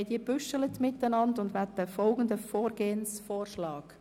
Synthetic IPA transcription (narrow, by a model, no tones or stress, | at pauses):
diːb̥ʏʃələtmɪtːənɑndʊndʋɛt̚dəfɔlɡ̥ən̩dəfoːɾɡeːənsfoːɾʃlɑːk